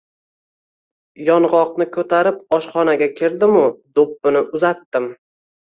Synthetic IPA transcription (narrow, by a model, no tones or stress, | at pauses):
jɒnʁɒqnɪkʰɵt̪ʰaɾɪp̚ɒʃχɒnaɡʲakʲʰɪɾd̪ɪmʊd̪opːɪnɪʔʊzat̪ːɪm